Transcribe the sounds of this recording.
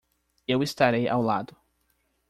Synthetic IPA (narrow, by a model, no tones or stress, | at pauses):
ewist̪aɾejʔa̰wlad̪ʊ